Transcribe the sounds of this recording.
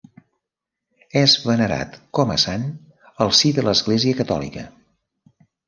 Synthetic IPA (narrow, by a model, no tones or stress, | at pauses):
ɛzβənəɾa̰t̪kɔmə̰san | əlˠsiðələzɣleziəkət̪ɔ̰lḭkə̰